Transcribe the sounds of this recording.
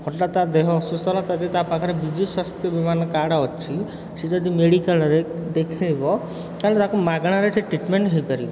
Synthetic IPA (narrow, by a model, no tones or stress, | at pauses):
hɔʈlat̪ad̪eɦɔsust̪ɔlat̪ad̪it̪apakʰɔɾebid͡ʒʱiswast̪ʰjɔbimanɔkaɽaɔt͡ʃʰi | sed͡ʒɔd̪imeɽikalɔɾed̪ekʰajbɔ | kaɦnt̪akumaɡɽ̃aɾesʰeʈɾiʈmeɳʈɦejpaɾibɔ